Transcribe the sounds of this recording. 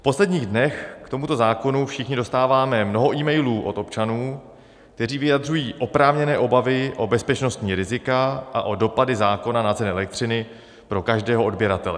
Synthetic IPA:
fpo̞slɛdɲiːɣdnɛxkt̪o̞mut̪o̞zaːko̞nufʃɪxɲɪdo̞st̪aːvaːmɛmno̞ɦo̞ʔiːmɛjluːʔo̞̰t̪o̞pt͡ʃanuː | kt̪ɛriːvɪjad̪r̝ujiːʔo̞pɾaːvɲɛnɛːʔo̞bavɪʔo̞bɛspɛt͡ʃno̞st̪ɲiːɾɪzɪkaʔaʔo̞do̞padɪzaːko̞nanat͡sɛnɛɛlɛk̚t̪r̝̥ɪnɪ | pɾo̞kaʒdɛːɦoodbjɛɾat̪ɛlɛ

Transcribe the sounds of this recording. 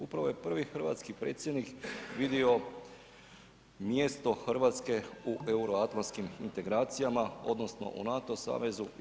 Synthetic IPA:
upɾaʋo̞je̞pr̩ʋixr̩ʋa̰t̪skipɾeːt̪sjed̪nikʋid̪io̞ | mjest̪o̞xr̩ʋaːt̪ske̞uʔeuɾoat̪lanskimint̪e̞ɡɾaːt̪sijamao̞d̪no̞sno̞̰ʔṵnat̪o̞sa̰ːʋe̞zu

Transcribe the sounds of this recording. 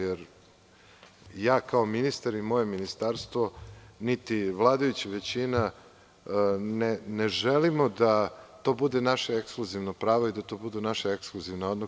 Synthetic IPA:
jeɾ | jaːkaominist̪aɾimo̞je̞minist̪aɾst̪ʋonit̪iʋlˠaːd̪ajut͡ɕiʋet͡ɕina | neneʒelimo̞d̪at̪o̞ːbud̪e̞naʃaekskluziʋnopɾaːʋoid̪at̪o̞bud̪unaʃaekskluziʋnaod̪no

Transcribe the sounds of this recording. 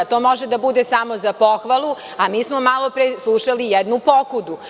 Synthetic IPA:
t̪oːmoʒed̪abud̪esamozapoxʋalˠu | amiːsmomalˠo̞pɾeːslˠuʃalijɛd̪nupokud̪u

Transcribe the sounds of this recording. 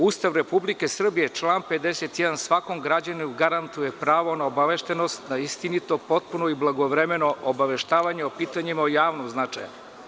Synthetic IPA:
ust̪aʋɾepublike̞sr̩bije̞t͡ʃlˠaːnpe̞d̪eset̪jɛd̪ansʋako̞mɡɾad͡ʑaniuɡaɾant̪uje̞pɾaːʋo̞naobaʋeʃt̪e̞no̞st̪naist̪init̪o̞po̞t̪̚punoiblˠaɡo̞ʋɾeme̞no̞ʔobaʋe̞ʃt̪aːʋaɲeopiːt̪aɲimaojaːʋnomznat͡ʂaj

